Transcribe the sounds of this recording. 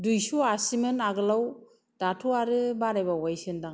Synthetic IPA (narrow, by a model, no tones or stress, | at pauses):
dujsuasimɯnaɡɯlaw | d̥atʰuaɾɯbaɾajbawajsɯndaŋ